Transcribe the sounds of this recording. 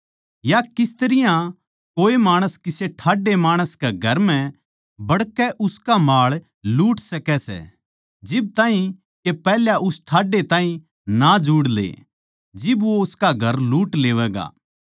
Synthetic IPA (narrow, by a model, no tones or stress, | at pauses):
jakɪst̪əɾɪjã | koːemaːɽ̃əskɪseʈʰaːɖemaːɽ̃əskeɡʱɐɾmɛ̃ | bɐɽkɛʔʊskamaːɭ | luːʈsɐkɛsɛ̰ | d͡ʒɪb̚t̪aːɦĩ | kepɛːɦljaʔʊsʈʰaːɖet̪aːɦĩ | nad͡ʒuːɽlḛ | d͡ʒɪbʋoʊskaɡʱɐɾluːʈleːʋɛːɡa̰ː